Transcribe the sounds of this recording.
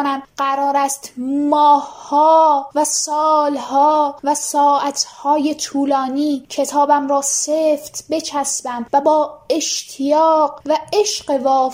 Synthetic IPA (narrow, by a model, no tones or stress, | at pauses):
næmɢæɾɒːɾæst̪mɒːhhɒːvæsɒːlhɒːvæsɒːʔæt̪ʰhɒːje̞t̪ʰuːlɒːniːcʰe̞t̪ʰɒːbæmɾɒːseft̪ʰbe̞t͡ʃʰæsbæmvæbɒːe̞ʃt̪ʰijɒːɢvæeʃɢe̞vɒː